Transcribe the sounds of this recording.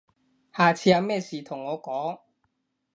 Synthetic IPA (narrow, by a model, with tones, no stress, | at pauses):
haː˨t͡sʰiː˧˥jɐ˧wmɛː˥˩siː˨˩t̪ʰʊ˨˩ŋːɔː˨˧kɔː˨˥ŋ